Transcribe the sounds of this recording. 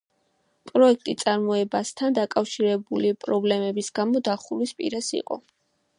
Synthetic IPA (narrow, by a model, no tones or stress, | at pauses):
pʼɾɔɛkʰt̪ʼit̪sʼaɾmɔɛbast̪ʰand̪akʼafʃiɾɛbulipʼɾɔblɛmɛbisɡamɔd̪aχulwispʼḭɾasḭqʼɔ̰